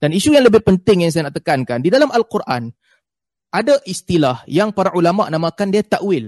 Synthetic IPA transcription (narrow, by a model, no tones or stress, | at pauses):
d̥aniʃujaŋləbɪhpənt̪ɪŋjaŋsajanaʔt̪əkankandidalamalkurʔa̰n | ʔadaʔist̪ilahjaŋpaɾaʔulamaʔnãmãkandiat̪aʔwɪl